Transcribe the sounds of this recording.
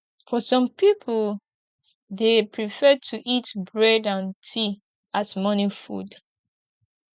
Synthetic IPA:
fɔsɔ̃mpipʰə | depʰɹifɛtʰuʔitbɹɛdãntʰi | asmʌnifṵd

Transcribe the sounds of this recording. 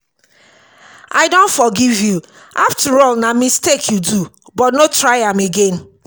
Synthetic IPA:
ʔaɪdõntfɔɡivju | ʔaftəɹɔlnamistekʰjudu | bɔtnotɹaɪãmeɡẽn

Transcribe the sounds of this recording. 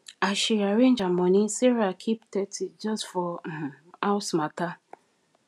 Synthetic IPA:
aʃiaɾẽnd͡ʒamɔ̃nisɛɾakʰiptɛtid͡ʒɔstfɔ | aʊsmata

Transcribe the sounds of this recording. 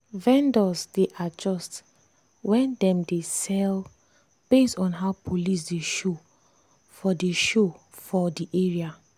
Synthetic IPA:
vɛ̃ndɔsdeʔad͡ʒɔst | wɛ̃ndɛ̃mdesɛl | b̥estɔ̃nɦaʊpʰolis̬deʃo | fɔdeʃo | fɔdiʔeɹia

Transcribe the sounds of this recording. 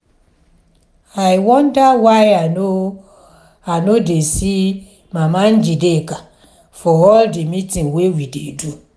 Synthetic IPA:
ajwɔ̃ndawajano | anodesi | mãman̩d͡ʒideka | fɔɔldimĩtĩnwewidedu

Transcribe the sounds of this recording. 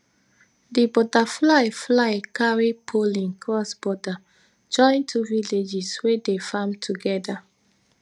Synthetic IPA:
dibɔtaflaɪflaɪkaɹipʰolĩnkʰɹɔsbɔda | d͡ʒɔ̃ɪ̃ntʰuviled͡ʒiswedefamtʰuɡɛda

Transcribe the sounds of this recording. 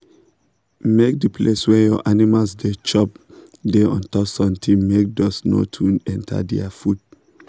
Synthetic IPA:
mek̚dəpʰleswɛ̃njɔʔanimalsdet͡ʃɔp̚ | deɔ̃ntɔsɔ̃mtʰĩmek̚dɔsno̰tʰũnɛ̃ntʰa̰dɛ̰afud̚

